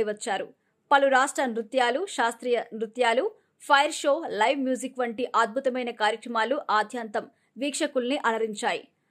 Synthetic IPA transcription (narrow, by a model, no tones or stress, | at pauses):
iʋɐt͡ʃːaːɾṵ | pɐluɾaːʂʈɾɐnɾut̪jaːluʃaːst̪ɾiːjɐnɾut̪jaːlu | pʰɐjɐɾʃo̞ːlɐjʋmjuːzikʋɐɳʈiʔaːd̪̚bʱut̪ɐmɐjnɐkaːɾjɐkɾɐmaːluʔaːd̪ʱjant̪ɐm | ʋiːkʂɐkulniʔɐlɐɾiɲt͡ʃaːjḭ